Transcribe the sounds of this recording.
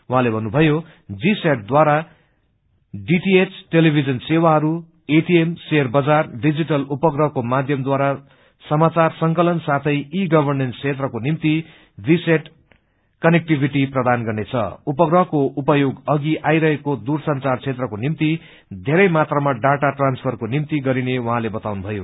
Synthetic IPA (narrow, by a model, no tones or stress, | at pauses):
wuɦãlebʱʌnːubʱʌjo | d͡ziseʈ̚d̪waɾa | ɖiʈiet͡sʈelibʱid͡zʌnsewaɦʌɾu | eʈiemserbʌd͡zarɖid͡ziʈʌlupʌɡrʌɦkomad̪ʱjʌmd̪waɾa | sʌmat͡sarsʌŋkʌlʌnsat̪ʰʌjiɡʌbʱʌrnent͡sʰet̪rʌkonimt̪i | biseʈ | kʌnek̚ʈibʱiʈiprʌd̪anɡʌrnet͡sʰʌ̰upʌɡrʌɦkoʔupʌjoɡʌɡiʔajɾʌɦekod̪ursʌnt͡sart͡sʰet̪rʌkonimt̪i | d̪ʱeɾʌjmat̪rʌmaɖaʈaʈranspʰʌrkonimt̪iɡʌɾinewʌɦãlebʌt̪awnubʱʌjo̰